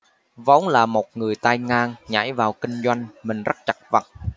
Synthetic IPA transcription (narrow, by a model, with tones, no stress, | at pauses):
va̰˨˦wŋ͡mlaː˨˩mo˨˩t̚ŋɨ˨˩əjt̪a˧jŋaː˧ŋɲa̰˧˥jvaː˨˩wkï˧ŋ̟zwa˧jŋ̟mï˨˩ŋ̟zə˦˥t̚t͡ɕa˨˩k̚va̰˨˩t̚